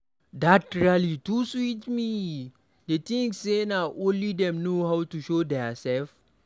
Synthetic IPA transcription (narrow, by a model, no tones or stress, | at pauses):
datɹialituswitmi | detĩŋsːenaʔõnlidɛ̃mnohawtuʃodɛasɛlf